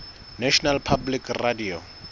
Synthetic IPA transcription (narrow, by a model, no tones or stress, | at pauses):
nɛʃɔnalpʰablikradio